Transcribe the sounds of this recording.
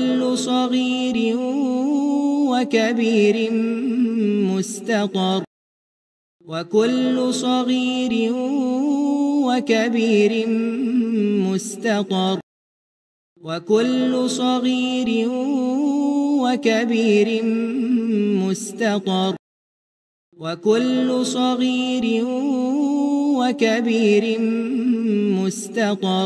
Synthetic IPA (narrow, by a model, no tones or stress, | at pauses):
lːʊsˤɑɣiːɾɪ | wakabiːɾɪ | mʊst̪ɑt̪ˤɑɾˤ | wakʊlːʊsˤɑɣiːɾɪ | wakabiːɾɪ | mʊst̪ɑt̪ˤɑɾˤ | wakʊlːʊsˤɑɣiːɾɪ | wakabiːɾɪ | mʊst̪ɑt̪ˤɑɾˤ | wakʊlːʊsˤɑɣiːɾɪ | wakabiːɾɪ | mʊst̪ɑt̪ˤɑˤ